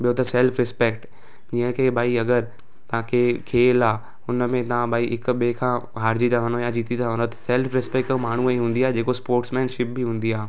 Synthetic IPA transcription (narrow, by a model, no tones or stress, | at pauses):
ɓijot̪ɐsɛːlfɾɪspeːkʈ | d͡ʑiːə̃kʰeːbʱaːiɐɡəɾ | t̪ɐʋ̤ãkʰekʰeːlaː | ʊnəmẽt̪ɐʋ̤ãbʱaːiʔɪkʊ̆ɓekʰãːɦaːɾd͡ʑit̪ʰɐʋ̤ə̃ndojãd͡ʑiːt̪it̪ʰɐʋ̤ə̃ndot̪ɐ̥sɛlfɾɪspɛːkʈmaːɳ̤uiɦũːnd̪iaːɦed͡ʑeːkospoːɾʈsmɛ̃ːnʃɪp̚biɦũːn̆d̪iaː